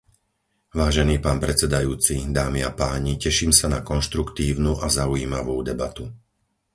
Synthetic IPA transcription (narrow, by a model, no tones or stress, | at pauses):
ʋaːʒɛniːpaːnpɾɛt͡sɛd̪ajuːt͡sid̪aːmiapaːɲicɛʃimsanakɔnʃt̪ɾukt̪iːʊnuʔazauiːmaʋuːd̪ɛbat̪u